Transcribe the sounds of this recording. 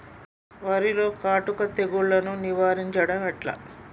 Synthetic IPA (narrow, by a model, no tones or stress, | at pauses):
ʋaːɾilo̞ːkaːʈukɐt̪e̞ɡuɭːɐnuniʋaːɾiɲt͡ʃɐɽɐmɛʈlɐ̰